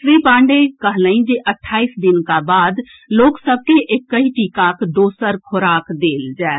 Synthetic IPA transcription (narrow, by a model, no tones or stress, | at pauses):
sɾiːpãːɳɖekəɦlə̃ĩd͡ʒeʔəʈʰːaːisd̪ɪnkabaːd̪ | loːksəb̚keʔekːɐɦiʈiːkakd̪oːsəɾkʰoɾaːkd̪eːld͡ʒaː